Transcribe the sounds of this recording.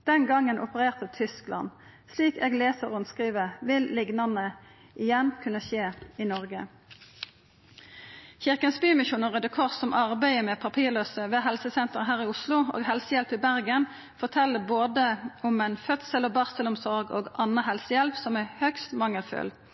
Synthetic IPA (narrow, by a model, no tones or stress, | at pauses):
d̪̥ɛnɡɑŋːənʔʊpəʁeːʁt̪ət̪ʰʏsklɑ̰n | sliːkeːɡleːsəʁʊnskʁiːʋəʋɪllɪɡnɑnə | ʔɪjɛnkʰʉnəʃeːɪnɔʁɡə | çɪʁkənsbyːmɪʃuːnəʁəd̪ɛkʰɔʁsɔmʔɑʁbæɪəmɛːpʰɑpʰiːʁløːsəʋeːɦɛlsəsɛnt̪əʁɦæːʁɪʊslʊo̰ːɡɦɛlsəjɛlpɪbæʁɡən | fɔʁt̪ʰɛlːəboːd̪əɔmɛɪnfœt̪səlɔbɑʁsəlɔmsɔʁɡo̰ːɡʔɑnəɦɛlsəjɛlpsɔmæhœkst̪mɑŋːəlfʉ̰l